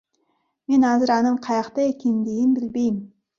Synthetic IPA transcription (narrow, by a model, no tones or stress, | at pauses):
me̞nhɑzɪɾɑnəɴqʰɑjɑqt̪ɑekʲend̪ejɪnbɪlbe̞jɪm